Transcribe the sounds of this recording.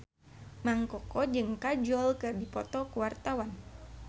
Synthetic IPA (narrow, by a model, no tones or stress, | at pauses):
maŋkɔkɔd͡ʒɨŋkad͡ʒɔlkɨrdipɔt̪ɔkuwart̪awan